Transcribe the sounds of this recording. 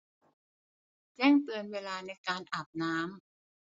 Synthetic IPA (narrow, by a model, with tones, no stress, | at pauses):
t͡ɕɛː˥˩ŋt̪ɯ˧ənweː˧laː˧na˧jkaː˧nʔa˨˩p̚naː˦˥m